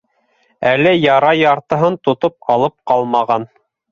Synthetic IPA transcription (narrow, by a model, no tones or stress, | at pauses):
ælɘjɑɾɑjɑɾt̪ɤ̆ɦɤnt̪ŏt̪op̚ɑlˠɤp̚qɑlˠmɑʁɑn